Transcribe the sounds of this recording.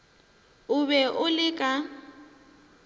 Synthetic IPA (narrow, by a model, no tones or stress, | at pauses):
ʊβɛʔʊlɪkʼa